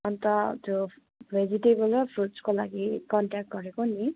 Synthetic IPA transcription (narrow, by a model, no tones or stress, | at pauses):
ʌnt̪ʌt̪jo | bʱed͡ziʈebʌlʌpʰruskolaɡikʌɳʈak̚ʈ̚ɡʌɾekoni